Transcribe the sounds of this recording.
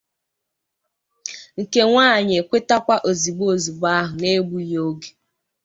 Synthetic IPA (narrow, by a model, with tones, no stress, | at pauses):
ŋ̩˨ke˦ŋʷaː˦˨ɲ˨e˨kʷe˦ta˦kʷa˦ʔo˨zi˨ɡ͡bo˦˨zu˨ba˦ɦʊ˨ne˦ɡ͡bu˦jo˦ɡe̥˨